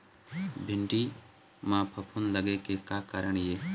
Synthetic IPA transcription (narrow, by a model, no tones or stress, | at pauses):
bʱɪɳɖi | mãpʰɐpʰunləɡekekaːkaːɾəɳ̃jeː